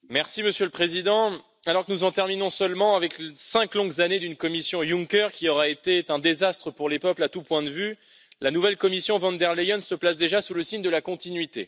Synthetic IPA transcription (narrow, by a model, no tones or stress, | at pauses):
mɛʁsiməsjøləpχezid̪ɑ̃ | alɔʁkənuzɑ̃t̪ɛʁminɔ̃sœlmɑ̃avɛklsɛ̃klɔ̃ɡzaned̪ynkɔmisjɔ̃jũŋkʲœʁkʲiɔʁaet̪et̪ɛ̃d̪ezast̪χəpuʁlepœplat̪upwɛ̃d̪əvy | lanuvɛlkɔmisjɔ̃vɑ̃nd̪ɛʁlejɔnsəplasd̪eʒasuləsiɲd̪əlakɔ̃t̪inɥit̪e